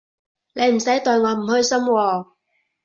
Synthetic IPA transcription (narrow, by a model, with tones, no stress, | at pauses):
ne˨˧jm̩˨˩sɐ˨˥jt̪ɔ˨˧ɥŋɔː˨˧m̩˨˩hɵ˧ɥsɐ˥mwɔː˧